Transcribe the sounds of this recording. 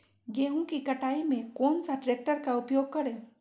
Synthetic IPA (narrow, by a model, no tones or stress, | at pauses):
ɡeːɦũkikɐʈaːimẽkoːnsaʈɾeːk̚ʈəɾkaʊpjoːɡ̚kɐɾeː